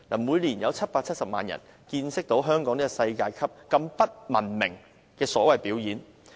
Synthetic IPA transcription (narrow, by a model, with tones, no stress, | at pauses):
na̰ː˨˩muː˨˧jliː˨˩njɐ˨˧wt͡sʰɐ˥t̚paː˧t͡sʰɐ˥t̚sɐ˨p̚ma̰ː˨njɐ̰˨˩n | kiː˧nsɪ˥k̚t̪o˨˥wɦœː˥ŋkɔː˨˥ŋniː˥kɔ˨˧sɐ˧jkaː˧jkʰɐ˥p̚kɐ˧mpɐ˥t̚mɐ˨˩nmɪ˨˩ŋ | kɛː˧sɔː˨˥wɐ˨jpiː˨˥wjiː˨˥n